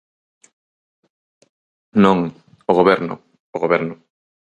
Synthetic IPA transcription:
nõŋ | oɣoβɛɾnʊ̰ | oɣoβɛɾnʊ

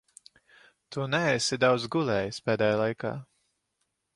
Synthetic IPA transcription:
t̪unɛesid̪awd̪zɡulˠɛːjispɛːd̪ɛjaːlˠajka̰ː

